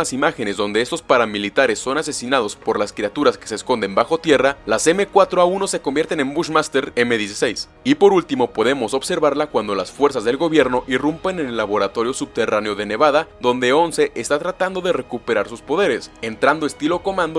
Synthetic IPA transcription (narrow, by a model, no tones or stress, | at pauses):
asimaxe̞ne̞zðo̞nd̪e̞est̪o̞spaɾamilit̪aɾe̞sːo̞nase̞sinað̞o̞spo̞ɾlaskɾiat̪uɾaskese̞ːsko̞nd̪e̞mbaxo̞t̪je̞ralaseme̞kwat̪ɾo̞auno̞se̞kombje̞ɾt̪e̞ne̞mbuʃmast̪eɾe̞me̞ðjes̬ise̞js | ipo̞ɾult̪imo̞po̞ðe̞mo̞so̞βse̞ɾβaɾlakwand̪o̞lasfwe̞ɾs̬azðe̞lɣo̞βje̞ɾno̞ʔirumpe̞nenelːaβo̞ɾat̪o̞ɾjo̞sub̚t̪e̞raneo̞ðe̞ne̞βaðaðo̞nd̪e̞o̞nseʔest̪at̪ɾat̪and̪o̞ðe̞re̞kupe̞ɾaɾsuspo̞ðe̞ɾe̞se̞nt̪ɾand̪oest̪iloko̞mãnd̪o